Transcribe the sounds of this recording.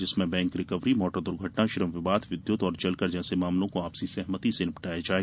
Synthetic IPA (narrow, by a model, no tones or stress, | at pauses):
d͡ʒɪsmẽbɛ̃ːŋkɾɪkəʋɾimɔːʈəɾd̪ʊɾɡʱəʈnaʃɪɾəmʋɪʋaːd̪ʱʋɪd̪jʊt̪ɔːɾt͡ʃɐlkəɾd͡ʒɛːsemaːmlõkoaːpsisɛɦmət̪isenɪpʈaːjed͡ʒaːe